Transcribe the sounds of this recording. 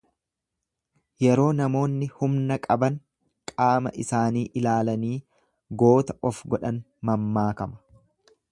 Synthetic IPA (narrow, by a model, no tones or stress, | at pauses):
jɛɾo̞ːnɐmo̞ːnːɪhʊmnɐkʼɐbɐŋ | kʼaːmɐ̰ʔɪsaːniːʔɪlaːlɐniː | ɡo̞ːt̪ɐʔɔfɡɔᶑɐn | mɐmːaːkɐmɐ̥